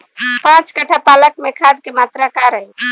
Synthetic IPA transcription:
pãt͡ʃkəʈʰapalək̚mekʰad̪kemat̪ɾakaɾə

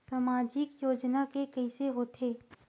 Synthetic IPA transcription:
samaːd͡ʒɪkjoːd͡ʒnakekɛɪseɦoːt̪ʰeː

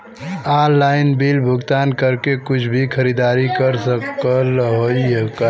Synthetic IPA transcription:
aɾlaɪnbilbʱʊɡt̪ankəɾkekʊt͡ʃʰbʱikʰəɾid̪aɾikəɾsəkəlɦoiekə

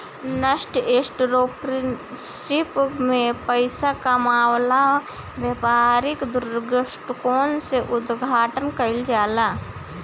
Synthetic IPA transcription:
nəʃʈeːsʈɾoːpɾɪn | sɪpmẽpəɪsakamaːwlaɔ | bjepaɾɪkd̪ʊɾɡəʃʈkoːnseʔʊd̪ɡʱaːʈənkəɪld͡ʒaːlaː

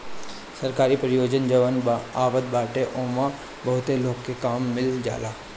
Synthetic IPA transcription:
sɐɾkaːɾipɾjoːd͡ʒənd͡ʒəʋənaːʋəd̪̚baːʈeʔoːmã | bɐɦʊt̪eloːɡkekaːmːɪld͡ʒa̰ːlaː

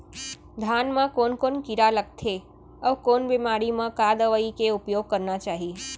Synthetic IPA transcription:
d̪ʱanmãkonkonkiɾalək̚t̪ʰe | əʋkonbemaɾimãkad̪əʋəikeupjoɡ̚kəɾnat͡ʃaɦi

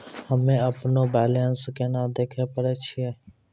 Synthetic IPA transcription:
həmẽːəpnoːbɛːlenskenaːd̪eːkʰepəɾet͡ʃʰiɛː

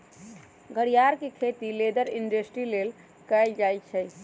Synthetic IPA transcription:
ɡʱəɽijaɾkekʰet̪iled̪əɾinɖəsʈɾilel | kɛjld͡ʒajt͡ʃʰɛ

